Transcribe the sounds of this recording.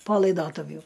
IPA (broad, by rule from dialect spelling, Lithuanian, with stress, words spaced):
poː lˠɐɪˈdoːtʊwjʊ